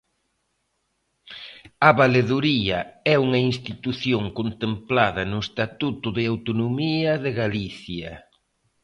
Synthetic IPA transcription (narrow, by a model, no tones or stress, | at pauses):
ɐβaleðuɾiɐɛuŋɐinst̪it̪uθjoŋkont̪emplaðɐnʊest̪at̪ut̪ʊðɪawt̪onomiɐðeɣaliθjɐ